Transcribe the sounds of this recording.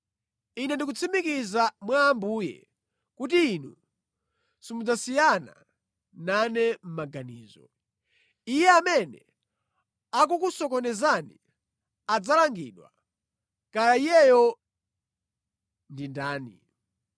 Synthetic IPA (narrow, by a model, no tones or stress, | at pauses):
inɛndik̬ut͡sʰimikizamwaːmbuːjɛ̰ | kut̬iːnu | simud͡zasijana̰ | nanɛm̩maɡaniːzɔ̰ | ijɛamɛnɛ̰ | ak̬ukusɔkɔnɛzanḭ | ad͡zalaŋɡḭːɗwa̰ | kajaijɛjɔ | ndindaːnḭ